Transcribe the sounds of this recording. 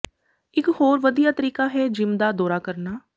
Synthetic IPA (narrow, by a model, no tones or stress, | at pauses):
ɪkhoːɾʋəd̪ijaːt̪əɾiːkaːɦɛːd͡ʒɪmd̪aːd̪ɔːɾaːkəɾnaː